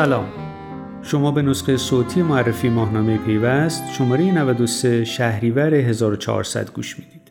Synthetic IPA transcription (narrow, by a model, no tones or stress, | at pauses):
sælɒːm | ʃo̞mɒːbe̞nosqejsoːt̪ʰiːjemoærːefiːmɒːhnɒːme̞ipʰe̞jvæst̪ʃo̞mɒːɾe̞jenævæd̪o̞seʃæhɾiːvæɾeɦe̞zɒːɾot͡ʃʰɒ̰ɒ̰ɾsæ̰d̪ɡṵːʃmiːd̪id̪̥